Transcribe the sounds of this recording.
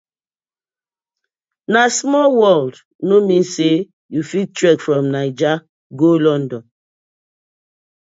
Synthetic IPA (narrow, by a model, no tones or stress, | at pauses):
nasmɔlwɔld | nomĩse | jufitɹɛkfɹɔ̃mnaɪd͡ʒa | ɡolɔ̃ndɔ̃n